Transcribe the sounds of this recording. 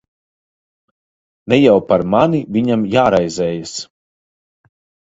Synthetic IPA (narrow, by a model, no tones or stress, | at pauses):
nɛjawpaɾmaniviɲamjaːɾajzɛːjas